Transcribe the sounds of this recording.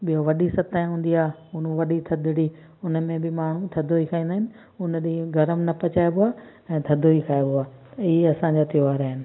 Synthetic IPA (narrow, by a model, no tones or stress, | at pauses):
ɓijoʋɐɗisɐt̪aːj̃ɦũːn̆d̪iaːʊnuʋɐɗit̪ʰɐd̪ʱɪɽi | ʊnəmẽbɪmaːɳ̤ũt̪ʰɐd̪ʱoikʰaːĩːnd̪aːɦɪnɪ̆ | ʊnɗiɡʱɐɾəmnɐpɐt͡ɕaːebʊaː | ɛ̃ːt̪ʰɐd̪ʱoikʰaːjbɪaːieɐsãɲd͡ʑaːt̪ɪjoaːɾaːɦɪnɪ̆